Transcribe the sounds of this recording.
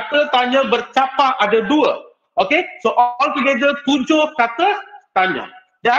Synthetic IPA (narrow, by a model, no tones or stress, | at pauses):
at̪ət̪aɲə̃bərt͡ʃapahadaduə | ʔokesoʔɔlt̪uɡedət̪ud͡ʒʊhkat̪ət̪aɲa̰ | da